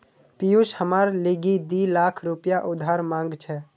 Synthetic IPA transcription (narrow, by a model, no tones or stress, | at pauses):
pijuʃhəmaːɾliɡid̪ilaːkʰɾupjaʔʊd̪ʱaːɾmãːŋɡt͡ʃʰɛ